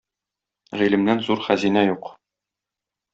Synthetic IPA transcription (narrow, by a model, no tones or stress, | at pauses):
ʁilɘ̆mnænzuɾχæzinæjuq